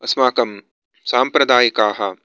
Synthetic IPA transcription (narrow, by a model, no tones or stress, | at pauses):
ɐsmaːkɐm | saːmpɾɐd̪aːjɐkaːɦɐ